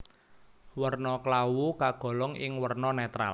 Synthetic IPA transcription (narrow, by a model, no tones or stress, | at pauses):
wərnɔklawukaɡ̥ɔ̤lɔŋɪŋwərnɔnɛt̪ɾa̰l